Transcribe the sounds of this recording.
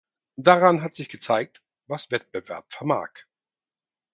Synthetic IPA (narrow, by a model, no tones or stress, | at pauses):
d̥aʁanɦatz̥ɪçɡ̥ət͡saɪk̚t | vasv̥ɛt̚b̥əvɛɐpfɛɐma̰ːk